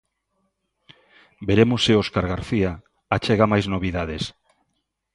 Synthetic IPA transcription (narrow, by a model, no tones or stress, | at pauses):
beɾemoseoskaɾɣaɾθia | at͡ʃeɣ̞amajznoβ̞iðað̞es